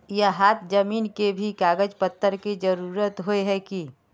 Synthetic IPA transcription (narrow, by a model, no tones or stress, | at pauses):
jeɦaːt̪ʰd͡ʒəmiːnkebʱikaːɡəd͡ʒpət̪ːəɾkid͡ʒəɾuːɾət̪ɦoeɦɛki